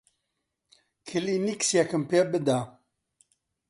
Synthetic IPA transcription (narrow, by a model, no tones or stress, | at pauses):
kʰiliniksjakɨmpabɨd̪a